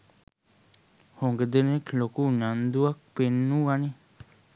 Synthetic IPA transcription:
hoŋɡəd̪enẽkʰlokuɲãnd̪uak̚penũani

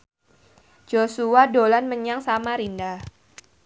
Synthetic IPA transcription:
d͡ʒ̥osuadolanməɲaŋsamaɾindah

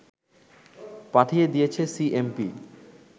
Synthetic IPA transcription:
paʈʰijed̪ijet͡ɕʰesiʔempi

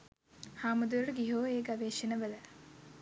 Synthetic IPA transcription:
haːmud̪uəʈəɡiɦoːeːɡaʋeːʃinəʋələ

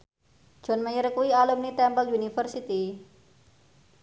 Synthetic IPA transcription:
ʒ̥ɔ̤nməjəɾkuialumnit̪ɛmpəlunifərsit̪i

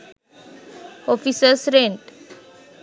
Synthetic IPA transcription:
ɔfisəsɾẽɳʈ

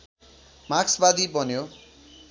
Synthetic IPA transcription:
maksbad̪ibʌnjo

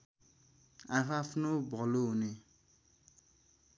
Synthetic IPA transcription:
apʰapʰnobʱɔloɦune

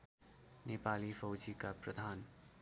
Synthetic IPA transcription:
nepalifʌwd͡ʒikaprəd̪ʱan

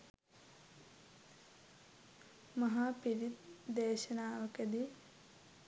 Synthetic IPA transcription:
mɐɦaːpiɾit̪d̪eːʃɐnaːʋɐkɐd̪i

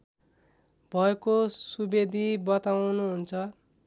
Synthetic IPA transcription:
bʱʌekosubed̪ʱibʌt̪awnuɦunt͡sʰʌ

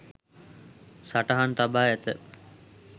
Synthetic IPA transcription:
saʈaɦant̪abaːɛt̪ə

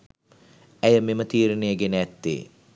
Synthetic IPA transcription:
æjəmemət̪iːɾenejəɡenæt̪ːḛː

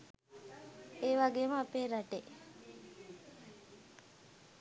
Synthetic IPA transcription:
eːʋaɡeːməapeːɾaʈe

